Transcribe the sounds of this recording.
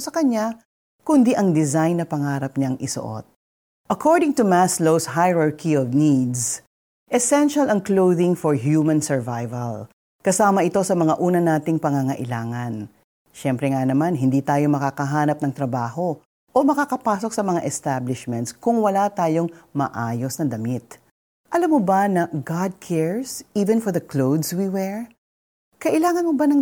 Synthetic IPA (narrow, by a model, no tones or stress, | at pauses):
sɐkɐɲa | kʊnd̪iʔɐŋd̪ɪzajnːɐpɐŋaːɾɐp̚ɲaŋɪso̰ʔo̰t̪̚ | ʔɐkʰoɹd̪ɪŋt̪ʊmaslowshajɹaɹkiɔvnid̪s | ʔɛsɛnʃɐlɐŋklowðɪŋfɔɹɦjuːmɐ̃nsɛɹvajvɐl | kɐsaːmɐʔɪt̪o̞sɐmɐŋaʔuːnɐnaːt̪ɪŋpɐŋaŋɐʔɪlaːŋɐn | ʃɛmpɾɛŋanɐmanɦɪnd̪iːt̪aːjo̞mɐkakɐɦaːnɐp̚nɐŋt̪ɾɐbaːho̞ | ʔomɐkakɐpaːsok̚sɐmɐŋa̰ʔɛst̪ablɪʃmɛ̃nt̪skʊŋwɐlat̪aːjo̞ŋmɐ̰ʔaːjo̞snɐd̪ɐmit̪̚ | ʔɐlamːobɐnɐɡad̪̚kʰɛɹsʔiːvɛ̃nfɔɹðɐklowd̪swiwɛɹ | kɐʔɪlaːŋɐnmobɐnɐ